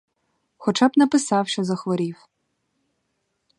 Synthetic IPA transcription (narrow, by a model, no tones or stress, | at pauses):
xɔt͡ʃɑbnɐpɪsɑwʃt͡ʃɔzɐxʋɔɾʲiw